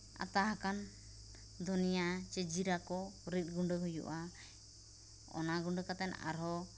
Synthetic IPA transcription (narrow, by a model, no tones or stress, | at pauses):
a̰t̪aɦakan | d̪ʱɔnijat͡ʃɛd͡ʒiɾakɔɾit̪̚ˀɡuɳɖəɦujṵʔa | ɔ̰naɡuɳɖəkat̪ɛna̰ɾɦɔ